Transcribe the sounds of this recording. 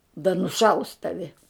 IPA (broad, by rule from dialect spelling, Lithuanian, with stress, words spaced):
dɐ nʊˈʃɐʊs ˈtɑːʋʲɪ